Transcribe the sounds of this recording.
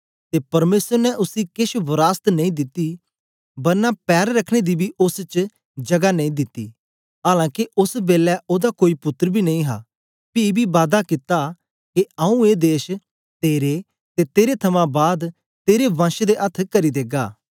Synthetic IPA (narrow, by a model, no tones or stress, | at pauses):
t̪eːpɐɾmeːsəɾnɛʔʊsikɪʃʋəɾaːst̪nɐĩːd̪ɪt̪ːi | bɐɾnapɛːɾɾɐkʰɽ̃ed̪ibʱiʔʊst͡ʃ | d͡ʒɐɡanɐ̃ĩd̪ɪt̪ːḭː | ɦaːlãːkiʔʊsbeːlɛʔoːd̪akoːipʊt̪ːəɾbʱinɐĩɦa̰ː | pibʱiʋaːd̪akɪt̪a | keaũeːd̪eːʃ | t̪eːɾe | t̪et̪eːɾet̪ʰɐmãbaːd̪ | t̪eːɾeʋɐ̃ːʃd̪eʔɐt̪ʰkɐɾid̪eːɡaː